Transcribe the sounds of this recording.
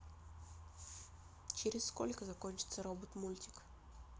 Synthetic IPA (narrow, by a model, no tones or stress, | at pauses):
t͡ɕɪɾʲɪsskolʲkəzɐkɔnʲt͡ɕɪ̥t̪səɾobət̪mulʲtʲɪ̥k